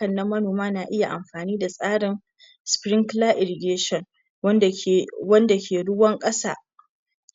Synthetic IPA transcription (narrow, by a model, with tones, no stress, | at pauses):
ɐ˨nːɐ˦mːɐ˦noː˨maː˦naː˨ʔɪ˦ja˨ʔa˨mɸaː˨niː˦da˨sʼaː˦ɽɪ˨n | spɾɪ˦ŋklaː˦ʔɪ˨ɾɪ˨ɡʲeː˦ʃɔ˨n˦˨ | wɐ˦nda˨kʲʰeː˨ɽʊ˦wɐ˦ŋkʼɐ˦sa̰ː˦